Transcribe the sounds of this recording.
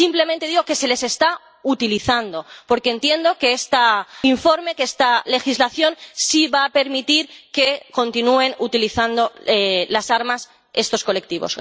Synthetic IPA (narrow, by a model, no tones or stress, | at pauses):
simple̞mẽnt̪e̞ðiɣo̞ke̞se̞le̞se̞st̪a | ut̪iliθand̪o̞po̞ɾkeːnt̪je̞nd̪o̞ke̞est̪aiɱfo̞ɾme̞keest̪ale̞xizlaθjo̞nsiβaːpe̞ɾmit̪iɾke̞ko̞nt̪inue̞nut̪iliθand̪o̞elasaɾmas | e̞st̪o̞sko̞le̞k̚t̪iβo̰s